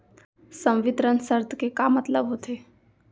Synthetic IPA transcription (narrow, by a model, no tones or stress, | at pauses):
sə̃wʋɪt̪ɾənsəɾt̪kekamɐt̪ləbɦot̪eː